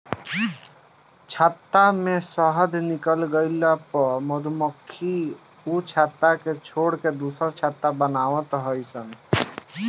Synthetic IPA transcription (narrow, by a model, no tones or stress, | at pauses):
t͡ʃʰat̪ːamesəɦəd̪ʱnikəlɡəɪlapəɾməd̪ʱuməkʰːi | ut͡ʃʰat̪ːaket͡ʃʰoɽked̪usəɾt͡ʃʰat̪ːabənaːwət̪ɦəjsən